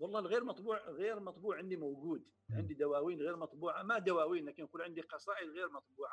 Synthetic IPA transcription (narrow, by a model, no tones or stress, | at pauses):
wɑlˤːɑlɣiɾmɑt̪ˤbuʕɣiɾmɑt̪ˤbuːʕʕənd̪imʊwɡud̪ | ʕənd̪id̪æwæwinɣiɾmɑt̪ˤbuʕamæd̪æwæwinlækənqulʕənd̪iqɑsˤɑʔəd̪ɣiɾmɑt̪ˤbuʕa